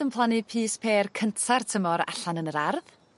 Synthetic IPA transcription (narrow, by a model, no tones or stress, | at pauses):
əmpʰlˠanipʰiːspʰeːrkʰəntʰartʰəmɔɾa̰ɬanənəɾarð